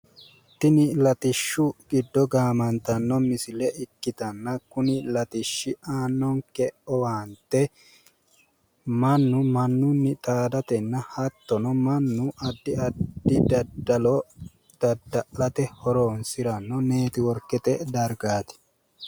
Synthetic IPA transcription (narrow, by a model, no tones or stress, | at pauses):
t̪ːɪnɪlɐt̪ɪʃːʊɡɪd̪ːɔɡaːmɐnt̪ɐnːɔmɪsɪlɛʔɪkːɪt̪ɐnːɐkʊnɪlɐt̪ɪʃːɪaːnːɔŋkɛʔɔwaːnt̪ɛ | mɐnːʊmɐnːʊnːɪt̪ʼaːd̪ɐt̪ɛnːɐhɐt̪ːɔnɔmɐnːʊʔɐd̪ːɪɐd̪ːɪd̪ɐd̪ɐlɔ | d̪̥ɐd̪ːɐʔɐt̪ɛhɔɾoːnsɪɾɐnːɔne̞ːt̪ɪwɔɾkːɛt̪ɛd̪ɐɾɡaːt̪ɪ̥